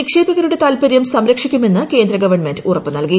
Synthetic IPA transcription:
ikʂeːbiɣɐɾuɽe̞t̪aːlpɐɾjɐmsɐmɾɐkʂikʲːume̞nːɨke̞ːnd̪ɾɐɡɐʋɐɳme̞ndɨurɐpːɨnɐlki

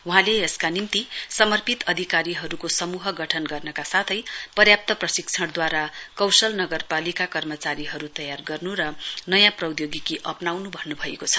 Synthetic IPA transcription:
uɦãleeskanimt̪isʌmʌrpit̪ʌd̪ʱikaɾiɦʌɾukosʌmuɦʌɡʌʈʰʌnɡʌrnʌkasat̪ʰʌjpʌrjap̚t̪ʌprʌsikt͡sʰʌɽd̪waɾakʌwsʌlnʌɡʌrpalikakʌrmʌt͡saɾiɦʌɾut̪ʌjarɡʌrnuɾʌnʌjãprʌwd̪joɡikiʔʌpnawnubʱʌnnubʱʌḛkot͡sʰʌ̥

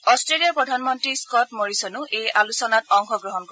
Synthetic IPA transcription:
ɔstɹelijapɹɔdʱanmɔntɹiskɔtmoɹisɔnʊʔejalusɔnatɔŋxɔɡɹɔɦɔnkɔɹ

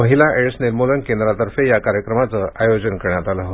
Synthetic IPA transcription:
məɦilaʔeʈsneɾmolənkend̪ɾat̪əɾfejakaɾjəkɾəmat͡səʔajod͡ʑənkəɾɳjat̪alaɦot̪

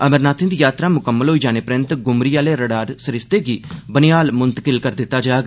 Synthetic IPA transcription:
əməɾnaːt̪ʰɪnd̪iːjaːt̪ɾaːmʊkəmːəlɦoːiːd͡ʒaːneːpɾɪ̃nt̪ɡʊmɾiːaːleːɾəɽaːɾsəɾɪst̪eːɡiːbənɪjaːlmʊnt̪əkɪlkəɾd̪ɪt̪ːaːd͡ʒaːɡ

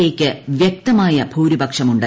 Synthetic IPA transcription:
e̞ːkʲːɨʋjek̚t̪ɐmaːjɐbʰʱuːɾibɐkʂɐmuɳɖɨ

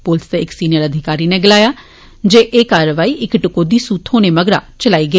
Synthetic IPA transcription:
pʊlst̪eɪksiːnɪjəɾəd̪ʱɪkaːɾiːneːɡɪlaːjaː | d͡ʒeːʔeːkaːɾəʋaːiːʔɪkʈɪkoːd̪iːsuːt̪ʰhɦoːneːməɡɾa̰ːt͡ʃəlaːiːɡeː

